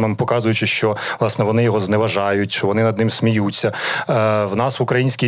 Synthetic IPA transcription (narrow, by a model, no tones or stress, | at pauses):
mempɔkɑzʊjʊt͡ʃɪʃt͡ʃɔʋlˠɑsnɛʋɔnɪjɔɦɔznɛʋɐʒɑjʊtʲt͡ʃɪʋɔnɪnɐd̪nɪmsʲmʲijut͡sʲːɐ | wn̪ɑsʋʊkɾɐjinʲsʲkʲi